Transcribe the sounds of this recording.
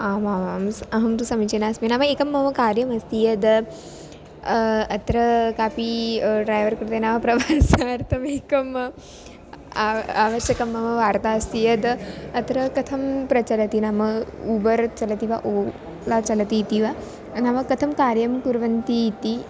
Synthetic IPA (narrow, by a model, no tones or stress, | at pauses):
aːmaːʋaːmsɐɦɐmt̪usɐmit͡ʃenaːsminaːʋaeːkɐmːɐmɐkaːɾjɐmɐst̪ijɐd̪ | ɐt̪ɾɐkaːpiɖɾaːjʋɐɾkuɾut̪enaːʋɐpɾɐbʱaːnsaːɾt̪ɐmeːkɐm | aaːʋɐʃɐkɐmːɐʋɐʋaːɾt̪aːɐst̪ijɐd̪ɐt̪ɾɐkɐt̪ʰɐmpɾɐt͡ʃɐlɐt̪inamɐubɐɾt͡ʃɐlɐt̪iʋaʔoː | lat͡ʃɐlɐt̪it̪iʋa | naʋɐkɐt̪ʰɐmkaːɾjɐmkuɾʋɐnt̪it̪i